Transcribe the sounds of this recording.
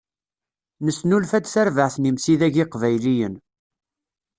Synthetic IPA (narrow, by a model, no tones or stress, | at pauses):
nəsnulfæt͡sθæɾvəʕθnimsiðæʝɪqvæjlijən